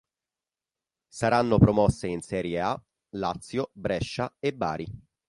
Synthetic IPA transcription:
saɾanːopɾomɔsːeinsɛːɾjea | lat̪sːjobɾɛʃːaebːa̰ːɾi

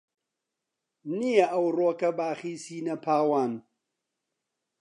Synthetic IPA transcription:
nijɐʔɐwroːkɐbaːxiːsiːnɐpʰaːwaːn

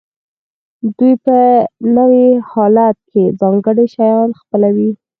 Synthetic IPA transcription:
d̪ujpənəwihɑlat̪̚kezɑŋɡəɽiʃajɑnxpəlawi

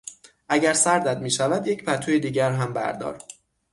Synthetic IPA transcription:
ʔæɟæɾsæɾd̪æd̪miːʃævæd̪je̞cʰpʰæt̪ʰujed̪iːɟæɾɦæmbæ̰ɾd̪ɒ̰ːɾ̥

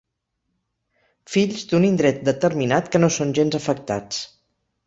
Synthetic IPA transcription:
fiʎzd̪unind̪ɾɛt̪̚d̪ət̪əɾminat̪kənosonʲʒenzəfək̚t̪a̰t͡s

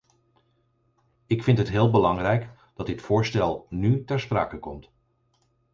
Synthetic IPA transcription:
ɪkfɪntɦətɦɪːlˠbəlɑŋrɛjk | d̥ɑtdɪtfʊːɹstɛlˠnytɛɹspra̰ːkəkɔmt

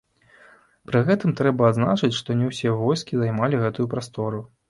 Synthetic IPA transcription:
pɾɨɣɛt̪ɨmt̪ɾɛbɐːd̪zna̰t͡ʂɨt͡sʲʂt̪ɔnʲɛwsʲɛvɔjskʲizajmalʲiɣɛt̪ujupɾast̪ɔɾu

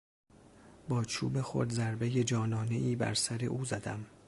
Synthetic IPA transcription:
bɒːt͡ʃʰuːbexo̰ɾd̪zæɾbe̞je̞d͡ʒɒːnɒːne̞ʔiːbæ̰ɾsæɾe̞̰ʔuːzæd̪æm

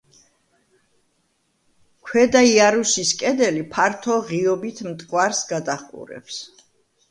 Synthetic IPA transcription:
kʰwɛd̪aiaɾusiskʼɛd̪ɛlipʰaɾt̪ʰɔʁiɔbit̪ʰmt̪ʼkʼwaɾsɡad̪aqʼṵɾɛ̰ps

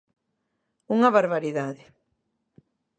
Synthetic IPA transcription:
uŋɐβaɾβaɾiðaðɪ

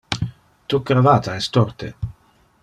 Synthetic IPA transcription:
t̪ukɾavaːt̪aɛst̪ɔrt̪ḛ

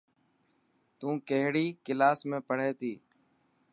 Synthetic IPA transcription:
t̪ũːkəɦɽiːkɪlaːsmẽːpəɽ̤eːt̪iː

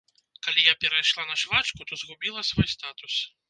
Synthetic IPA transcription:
kalʲijapʲɛɾɐjʂlˠanɐʂvat͡ʃkut̪ɔzɣubʲilˠɐsvɔjst̪at̪us

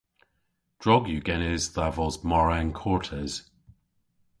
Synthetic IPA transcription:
d̥ɹɔɡjuɡɛnɪzðavɔzmɔɹɛnkʰɔɹtʰɛz̥

